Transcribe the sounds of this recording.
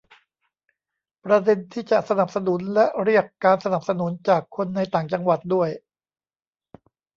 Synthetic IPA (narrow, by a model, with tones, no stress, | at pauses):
pɾa˧de˧nt̪ʰiː˥˩t͡ɕa˨˩ʔsa˧na˨˩p̚sa˧nu˩˦nlɛ˦˥ʔɾi˥˩əkːaː˧nsa˧na˨˩p̚sa˧nu˩˦nt͡ɕaː˨˩kʰːo˧nːa˧jt̪aː˨˩ŋt͡ɕa˧ŋwa˨˩t̪̚du˥˩əj